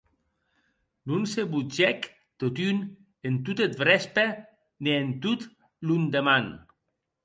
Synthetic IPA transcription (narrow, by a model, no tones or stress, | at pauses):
nunseβud͡ʒɛk | t̪ot̪yn | ent̪ut̪et̪̚bɾɛspe | neent̪ut̪ | lund̪eman